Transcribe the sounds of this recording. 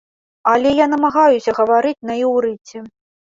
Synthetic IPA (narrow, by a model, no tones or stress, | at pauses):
ɐlʲɛjanɐmaɣajusʲɐɣɐvaɾɨt͡sʲnɐiwɾɨt͡sʲɛ